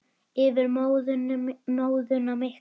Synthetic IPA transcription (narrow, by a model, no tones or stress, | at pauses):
ɪvɪɾmowðʏnnoːwðʏnameh